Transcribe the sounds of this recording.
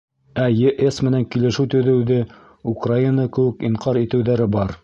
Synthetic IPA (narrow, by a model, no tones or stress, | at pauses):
æjeʔesmɘ̆næŋkilɘ̆ʃɘwt̪ɵ̆ðɘ̆wðɘ | ukrainəkɘ̆wɘ̆kiɴqʰɑɾit̪ɘ̆wðæɾɘbɑɾ